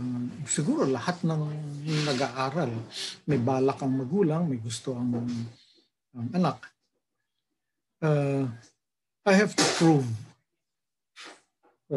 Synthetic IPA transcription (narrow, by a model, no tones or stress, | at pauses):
sɪɡuːɾolɐhat̪nɐŋnɐɡaʔaːɾalmɐjbaːlakɐŋmɐɡuːlaŋmɐjɡʊst̪oʔɐŋ | ɐŋɐnak̚ | ʔa | ʔajhɛvt̪ʊpɹuv